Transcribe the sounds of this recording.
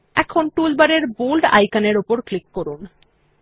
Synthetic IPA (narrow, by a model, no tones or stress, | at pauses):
ɛkʰonʈulbaɾeɾbulɖa̰jkaneɾupoɾklikːoɾun